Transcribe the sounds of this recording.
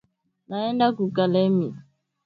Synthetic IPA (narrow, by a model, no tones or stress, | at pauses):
naɛndakukalɛmi